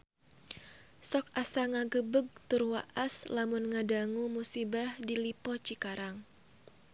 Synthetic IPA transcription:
sɔk̚asaŋaɡəbəɡ̚t̪ʊrwaʔaslamʊnŋadaŋumusibahdilipɔt͡ʃikaɾaŋ

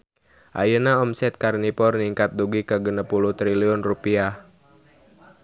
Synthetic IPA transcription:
ʔa̰jənaɔmsɛt̪̚karnipɔrniŋkat̪̚duɡikəɡənəpuluht̪ɾiliɔnrupia

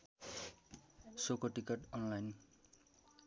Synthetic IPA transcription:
sokoʈikʌʈʌnlajn

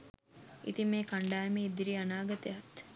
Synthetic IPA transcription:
ḭt̪imeːkaɳɖaːjmeid̪iɾianaːɡɐt̪ejat̪

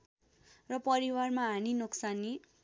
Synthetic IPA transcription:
rʌpʌɾiwarmaɦaninoksani

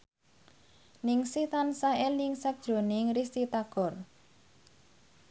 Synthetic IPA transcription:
nɪŋsit̪ansaeliŋsak̚d̥ʒ̥o̤nɪŋɾist̪it̪aɡ̥ɔ̤r

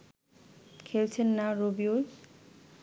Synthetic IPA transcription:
kʰelt͡ɕʰenːaɾobioj

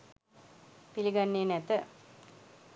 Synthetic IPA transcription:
piliɡanːeːnɛt̪ə

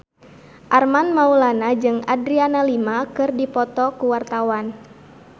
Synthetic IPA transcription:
ʔarmanmaulanad͡ʒɨŋadɾianalimakɨrdipɔt̪ɔkuwart̪awan

